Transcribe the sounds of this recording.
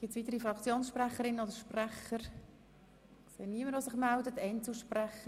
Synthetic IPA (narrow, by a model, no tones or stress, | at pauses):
ɡ̥ɪtsʋit̪əɾifɾɑkʰt͡sjoːnsʃpræχəɾɪnːənod̪əɾʃpræχəɾ | seːniəməɾʋosɪχmældətɛɪnt͡sl̩ˠʃpræχə